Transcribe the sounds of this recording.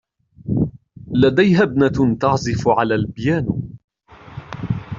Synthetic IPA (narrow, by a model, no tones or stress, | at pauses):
lad̪ajɦabnat̪ɑʕzˤɪfʕalaːlbɪjaːn